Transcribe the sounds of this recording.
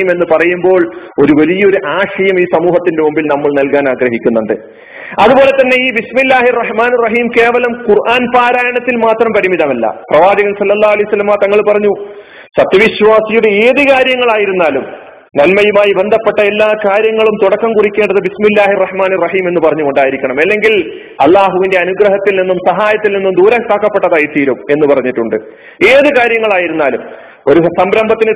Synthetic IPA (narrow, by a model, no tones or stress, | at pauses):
me̞nːɨpɐrɐjumbo̞ːɭo̞ɾuʋɐlijɐoɾuʔaːʂɐjɐmiːsɐmuːɦɐt̪ːindemumbilnɐmːɐɭnɐlkaːnaːɡɾɐɦikʲːunːuɳɖɨ̰ | ɐðubo̞ːle̞t̪ːɐnːe̞iːbismilːaːɦirːɐhmaːnirːɐɦiːmke̞ːʋɐlɐmkurʔaːnpaːɾaːjɐɳɐt̪ːilmaːt̪rɐmpɐɽimiðɐmɐlːɐ̰prɐʋaːd͡ʑɐɣɐnsɐlːɐlːaːɦuɐlɐjusɐlːɐmaːt̪ɐŋːɐɭpɐrɐɲːu | sɐt̪jɐʋiɕʋaːsijuɽe̞eːðikaːɾjɐŋːɐɭaːjiɾunːaːlum | nɐlmɐjumaːjibe̞nd̪ʱɐpːe̞ʈːɐe̞lːaːkaːɾjɐŋːɐɭumt̪uɽɐkːɐmkurikʲːeːɳɖɐðɨbismilːaːhirːɐhmaːnirːɐɦiːme̞nːupɐrɐɲːukoɳɖaːjiɾikʲːɐɳɐmelːe̞ŋɡil | ɐ̰lˠːaːɦuʋinde̞ɐnuɡɾɐɦɐt̪ːilninːumsɐɦaːjɐt̪ːilninːumd̪uːɾɐŋkaːkːɐpːe̞ʈːɐðaːjit̪ːiːɾume̞nːupɐrɐɲːiʈːuɳɖɨ̰ | e̞ːðɨkaːɾjɐŋːɐɭaːjiɾunːaːlum | o̞ɾusɐmbɾɐmbʱɐt̪ːinɨ